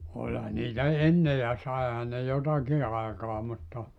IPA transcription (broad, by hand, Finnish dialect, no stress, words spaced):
olhɑ niːtæ enːe jɑ sɑehɑ ne jotɑki ɑekɑː mutːɑ